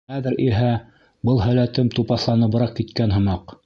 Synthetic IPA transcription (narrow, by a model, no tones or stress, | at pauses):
æðɘɾʔiɦæ | bɤlˠɦælæt̪ɘmt̪upɑθlˠɑnɤ̆bɤ̆ɾɑq̚kːit̪kænɦɤ̆mɑq